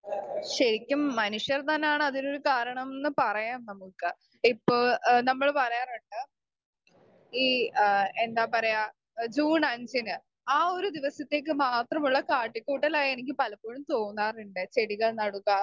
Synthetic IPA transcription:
ɕɐɾikʲːumːɐnuʂjɐrt̪ɐnːejaːɳɨɐðino̞ɾukaːɾɐɳɐmenːɨpɐrɐjaːmnɐmukːɨ | ipːo̞ːɭnɐmːɐɭpɐrɐjaːrɐɳɖɨ | iːe̞nd̪aːpɐrɐja | d͡ʑuːnɐnd͡ʑinɨ | aːo̞ɾud̪iʋɐsɐt̪ːe̞ːk̬ːɨmaːt̪rɐmuɭːɐkaːʈːikʲːuːʈːɐlaːenik̬ʲːɨpɐlɐpːoːɻumt̪o̞ːnːaːruɳɖet͡ɕeɽiɣɐɭnɐɽukːaː

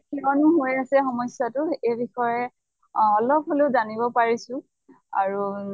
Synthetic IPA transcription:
kʰɛɔnuɦojasɛxɔmɔsjatʊejbixɔjɛ | ɔlɔp̚ɦoleʊzanibɔpaɹisʊ̃ | a̰ɹu

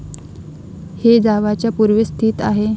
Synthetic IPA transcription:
hed͡zaʋat͡ɕjapuɾʋəst̪ʰiːt̪aɦe

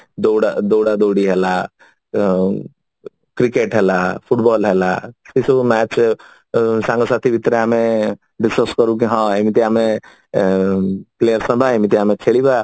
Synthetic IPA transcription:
d̪oɽad̪oːɽad̪oːɽiɦɛla | kɾikeːʈɦɛlapʰuʈbɔːlɦɛlasisomɛːt͡ʃ | sãːŋɡəsaːt̪ʰibʱit̪ɾeamẽ | ɖɪskəskəɾũk̬iɦãemit̪iaːmẽ | pleːjəɾsə̃bʱaemit̪iaːmẽkʰeːɭiba

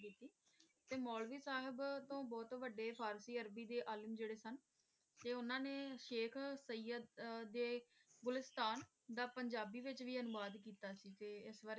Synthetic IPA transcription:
iːt̪iː | t̪eːmɔːlʋiːsaːɦɪbt̪õːbɔːt̪ʋəɖeːpʰaːɾsiːəɾbiːd̪eːʔaːləmd͡ʒeːɽeːsən | t̪eːʊnãːneːʃeːkʰsəiːjəd̪ːeːɡʊlɪst̪aːn | d̪aːpəɲd͡ʒaːbiːʋɪt͡ʃʋiːənʊʋaːd̪kiːt̪aːsiːt̪eːɪsʋaɾ

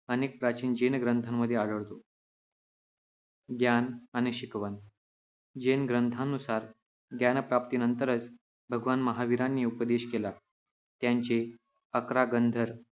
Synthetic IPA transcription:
əneːk̚pɾat͡ɕiːnd͡ʑenɡɾənt̪ʰamːəd̪ʱːjeaɽəɭt̪o | ɡjanañiɕikʋən | d͡ʑenɡɾənt̪ʰãnːusaɾ | ɡjanpɾap̚t̪inənt̪əɾət͡s | bʱəɡʋanməɦaʋiɾanːiːupəd̪eɕkela | t̪jaɲt͡ɕe | əkɾaɡənd̪ʱəɾ

